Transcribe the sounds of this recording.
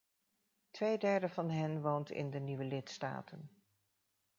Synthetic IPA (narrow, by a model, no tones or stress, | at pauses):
tʋejdɛɹdəvɑnɦɛnʋowntɪ̰ndəniʋəlɪtsta̰ːtʰən